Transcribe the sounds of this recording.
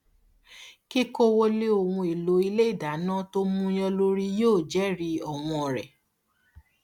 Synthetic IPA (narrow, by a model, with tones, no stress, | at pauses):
ki˦ko˦wo˧le˦o˨wũ˧e˨lo˨˦i˧le˦i˦˨da˨˦nãː˦to˦mũ˦j̃ɔ̃˧lo˦ɾi˦joː˦˨d͡ʒɛ˨˦ɾi˧ɔ˨w̃ɔ̃˧ɔ˨ɾɛ̰˨